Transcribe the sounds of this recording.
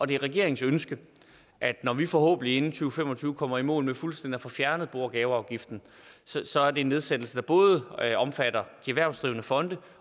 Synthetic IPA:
ʔɒ̽d̥e̝ʁɛɡ̥e̝̰ɐ̰e̝ŋ̩sønsɡ̥ə | ʔæd̥nɒʋifɒ̽hɔ̰ːb̥ən̩ie̝nn̩t͡sʰyːʊəfemɒ̽t͡sʰyːʊəkʰɒ̽m̰ɐimɔ̰̽ːlmefulsd̥endiæfɒ̽fjæɐnəð̩ˠb̥o̝ɐ̰ɡ̥ɛːʊɑ̈ʊɡ̥ifd̥n̩ | ssɒ̽æɐde̝ːnːeð̞ˠsed̥l̩səd̥æ̈b̥ɔ̽ːð̞ˠəɒ̽mfæd̥ɐd̥iæʋæɐ̰sd̥ʁḭːʊənəfɒ̽nd̥ə

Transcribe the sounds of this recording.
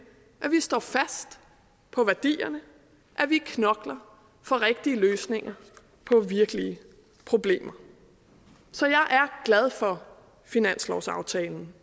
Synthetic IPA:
ʔæʋisd̥ɒ̰ːfæsd̥ | pʰɒ̽ʋæɐd̥ḭːɐnə | ʔæʋikʰnɒ̽ɡ̥lɐ | fɒ̽ʁeɡ̥̚d̥iəløːsne̝ŋɐ | pʰɒ̽ʋiɐɡ̥əliə | pʰʁo̝b̥le̝̰ːmɐ | sɒ̽jɑ̈ɪʔæɐɡ̥læð̞ˠfɒ̽ | finæn̰slɒʊsɑ̈ʊt͡sʰɛːln̩

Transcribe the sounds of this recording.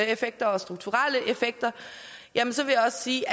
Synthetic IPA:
efeɡ̥̚d̥ɐɒ̽sd̥ʁuɡ̥̚t͡sʰuʁal̰əʔe̝feɡ̥̚d̥ɐ | jæmənsɒ̽ʋe̝jäɒ̽ssiː

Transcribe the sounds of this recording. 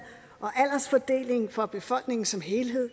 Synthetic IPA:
ʔɒ̽ʔæl̰ɐsfɒd̥e̝̰ːle̝ŋfɒ̽b̥e̝fɒ̽l̰ɡ̥ne̝ŋn̩sɒ̽mɦe̝ːlɦe̝ð̰ˠ

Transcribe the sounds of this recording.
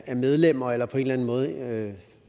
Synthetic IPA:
æɐmeð̞ˠlem̰ɐelɐpʰɒe̝ːnlæn̩mɔ̽ːð̞ˠ

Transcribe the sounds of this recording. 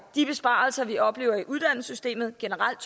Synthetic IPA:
d̥ib̥e̝sb̥ɑ̰̈ːlsɐʋiʔɒ̽b̥le̝ːʊɐiʔuð̞ˠd̥æn̰l̩sysd̥e̝̰ːmð̞̩ˠɡ̥e̝nəʁal̰d̥

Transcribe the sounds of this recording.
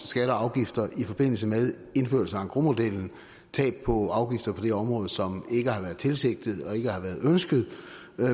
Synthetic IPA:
sɡ̥æɾɐɑ̈ʊɡ̥ifd̥ɐʔifɒ̽b̥e̝n̰l̩səmeðˠ | e̝nfø̰ɐ̰lsəæŋɡ̥ʁomo̝d̥el̰n̩ | t͡sʰɛ̰ːb̥̚pʰɒ̽ɑ̈ʊɡ̥ifd̥ɐpʰɒ̽d̥eɒ̽mʁɔ̽ːð̞̩ˠsɒ̽me̝ɡ̥əhɑ̈ʋæːɐð̩ˠt͡sʰe̝lse̝ɡ̥̚d̥ð̩ˠɒ̽e̝ɡ̥əhɑ̈ʋæːɐðˠønsɡ̥ð̞̩ˠ

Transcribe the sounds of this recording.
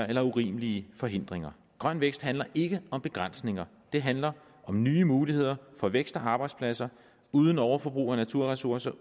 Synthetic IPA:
ɐelɐuʁḭːməliəfɒ̽ɦe̝n̰d̥ʁeŋɐ | ɡ̥ʁɶn̰ʋeɡ̥sd̥hænlɐʔe̝ɡ̥əɒ̽mb̥e̝ɡ̥ʁan̰sne̝ŋɐ | d̥e̝ɦænlɐ | ʔɒ̽mnyːəmuːlihe̝ð̞̰ˠɐfɒ̽ʋeɡ̥sd̥ɒɑ̈ːb̥ɑ̈ɪdspʰlæsɐ | uːð̞ˠn̩ɒʊɐfɒ̽b̥ʁṵːɒnæt͡sʰuɐ̰ʁɛsuɐsɐ

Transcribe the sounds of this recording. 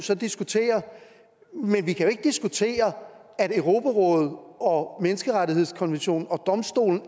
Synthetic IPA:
sɒ̽d̥isɡ̥ut͡sʰe̝̰ːɐ | menʋikʰæjo̝e̝ɡ̥əd̥isɡ̥ut͡sʰe̝̰ːɐ | æɾøʊʁo̝pʰæʁɔ̽ːð̩ˠɒ̽menəsɡ̥əʁaɾiɦe̝ð̞̰ˠskʰɒ̽nʋenɕo̝̰ːnn̩ɒ̽d̥ɒ̽msd̥o̝̰ːln̩

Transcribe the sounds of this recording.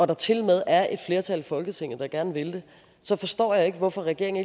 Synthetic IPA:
ɒ̽d̥ɑ̈t͡sʰe̝lmeð̞ˠæɐʔe̝d̥fle̝ːɐt͡sʰælfɒ̽lɡ̥ət͡sʰeŋ̰ð̩d̥ɑɡ̥æɐnʋe̝ld̥e̝ | sɒ̽fɒ̽sd̥ɒ̰ːjɑ̈e̝ɡ̥əʋɒfɒ̽ʁɛɡ̥e̝ɐ̰eŋ̩e

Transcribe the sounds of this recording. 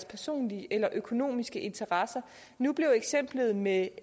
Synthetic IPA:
spʰæɐso̝̰ːnliʔelɐʔøkʰo̝no̝̰ːmisɡ̥əʔe̝nt͡sʰɐʁɑ̈sɐ | nub̥le̝ʊeɡ̥sem̰b̥ləð̞̩ˠme

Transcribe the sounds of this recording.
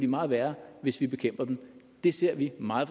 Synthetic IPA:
ʋimɑ̈ːð̞̩ˠʋæɐʋe̝sʋib̥e̝kʰem̰b̥ɐd̥en | d̥e̝se̝ɐ̰ʋimɑ̈ːð̩ˠf

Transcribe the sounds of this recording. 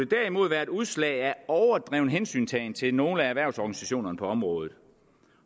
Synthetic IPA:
d̥ed̥æɐimo̝ð̞̰ˠʋæːɐe̝d̥uð̞ˠslɛ̰ɪæɒʊɐd̥ʁɛʊnəɦensy̰ːnt͡sʰɛɪnt͡sʰe̝lno̝ːləææʋæɐ̰sɒɡ̥ænisæɕo̝̰ːnɐnəpʰɒ̽ɒ̽mʁɔ̽ːð̞ˠð̞̩ˠ

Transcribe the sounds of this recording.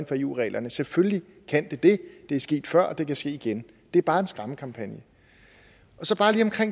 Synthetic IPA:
nfɒ̽ḛːṵːʁɛ̰ːlʔɐnəselfølli | kʰæn̰d̥e̝d̥e̝d̥e̝æɐsɡ̥e̝̰ːd̥fɶɐ̰ɒd̥e̝kæsɡ̥e̝̰ːiɡ̥en | d̥e̝æɐb̥ɑ̈ːe̝nsɡ̥ʁɑ̈məkʰɑ̈mpʰænjə | ɒ̽sɒ̽b̥ɑ̈ːliɒ̽mkʰʁeŋ̰

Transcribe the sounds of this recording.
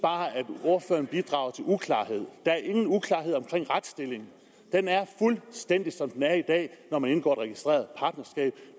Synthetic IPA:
b̥ɑ̈ːæd̥o̝ɐfø̰ːɐn̩b̥id̥ʁɑ̈ʊɐt͡sʰe̝lʔukʰlɑ̰̈ːɦe̝ð̞̰ˠd̥ɑ̈æɐʔe̝ŋn̩ukʰlɑ̈ːɦe̝ð̰ˠɒ̽mkʰʁeŋ̰ʁad̥sd̥e̝le̝ŋn̩ | d̥enæɐfulsd̥en̰d̥isɒ̽md̥enæɐid̥ɛ̰ːnɒmæne̝nɡ̥ɒ̰ːeɾʁɛɡ̥isd̥ʁe̝̰ːɐð̩ˠpʰɑ̈ːd̥nɐsɡ̥ɛ̰ːb̥

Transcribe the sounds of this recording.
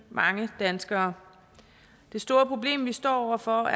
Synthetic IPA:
mɑ̈ŋəd̥ænsɡ̥ɐː | d̥e̝sd̥o̝ːɐpʰʁo̝b̥le̝̰ːmʋisd̥ɒ̰ːɒʊ̰ɐfɒ̽æ

